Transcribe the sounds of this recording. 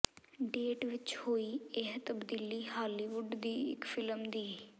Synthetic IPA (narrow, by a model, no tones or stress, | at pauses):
ɖeːʈʋɪt͡ʃhoːiːɪɦt̪əbd̪iːliːɦaːliːʋʊɖd̪iːɪ̰kfʰɪləmd̪iː